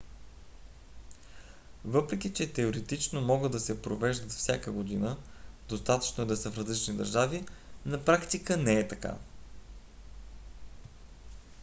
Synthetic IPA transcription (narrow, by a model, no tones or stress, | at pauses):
vɤpɾɛkʲit͡ʃɛt̪ɛoɾɛt̪it͡ʃnomɔɡəd̪ːɐsɛpɾovɛʒd̪ət̪fsʲakəɡod̪inəd̪ost̪at̪ə̥t͡ʃnoɛd̪ɐsəfɾɐzlit͡ʃnid̪ə̰ɾʒavinɐpɾakt̪ikənɛɛt̪ɐka̰